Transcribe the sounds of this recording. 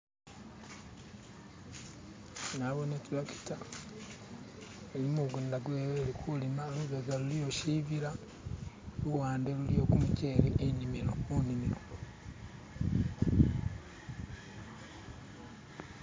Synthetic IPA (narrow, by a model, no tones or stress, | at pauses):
naβonetulaki̥ta | elimuɡundaɡueeːlikʰulimaoluzozalulijoʃiβiɾa | luwaːndelulijo̞kumuce̞ːɾeʔeɲimiɾo̰muɲimiɾo